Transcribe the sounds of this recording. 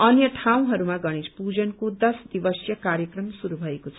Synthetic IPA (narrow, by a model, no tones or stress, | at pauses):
ʌnjʌʈʰãw̃ɦʌɾumaɡʌɽ̃ispud͡zʌnkod̪ʌsd̪ibʌsjʌkaɾjʌkrʌmsuɾubʱʌekot͡sʰʌ